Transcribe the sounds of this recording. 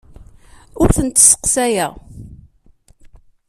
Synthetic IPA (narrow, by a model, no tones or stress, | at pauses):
ʊɾθənt̪sə̥qsæjæ